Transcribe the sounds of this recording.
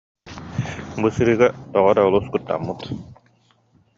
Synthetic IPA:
bɯsɯɾɯːɡat̪ɔʁɔd̪aulˠuskut̪ːa̰mːut̪

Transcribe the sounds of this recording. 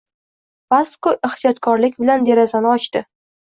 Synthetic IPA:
paskoʔɪχt̪ʰijɒt̪kʰɒɾlɪkʲbɪland̪e̞ɾazanɪɒt͡ʃt̪ɪ

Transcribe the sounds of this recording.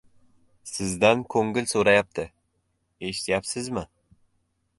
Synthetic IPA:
sɪzd̪ankʰɵŋɡɪlsoɾajap̚t̪ʰɪ | eʃɪ̥t̪ʰjapsɪzmɪ

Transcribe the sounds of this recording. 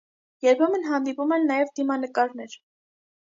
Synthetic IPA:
jɛɾpʰɛmənɦɑnd̪ipumɛnːɑjɛvd̪imɑnəkɑɾnɛɾ

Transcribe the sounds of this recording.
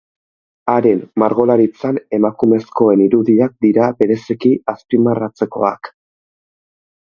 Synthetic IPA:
aɾe̞nmaɾɣo̞laɾit͡sane̞makume̞sko̞e̞niɾuðiak̚d̪iɾabe̞ɾe̞sikiaspimarat͡se̞ko̞̰ak

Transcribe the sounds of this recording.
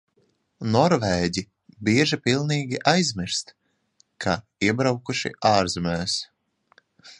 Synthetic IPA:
nɔɾvɛːɟi | biɛʒipilˠniːɡʲiʔajzmiɾst̪ | kʰa | iɛbɾawkuʃḭʔaːɾzɛmɛːs

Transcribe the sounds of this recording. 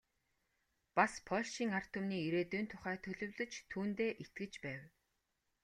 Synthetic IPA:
paspʰɔɮʃiːŋar̥t̪ʊmniːiɾeːt̪uːnt̪ʰʊχæːt̪ʰɵɮɵ̆wɮɵ̆t͡ɕt̪ʰuːnt̪eːʔet̪̚ɡɘ̆t͡ɕpæːw

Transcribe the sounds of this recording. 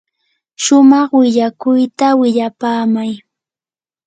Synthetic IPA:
ʃʊmɑχwɪʎakʊjt̪awɪʎapaːmaj

